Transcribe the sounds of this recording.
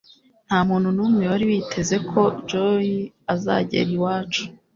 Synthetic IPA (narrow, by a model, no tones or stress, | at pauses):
n̥haːmuːnhunumŋewoɾiwitʰe̞ze̞kʰo̞d͡ʒoji | aza̰ɟḛɾiwaːt͡ʃu̥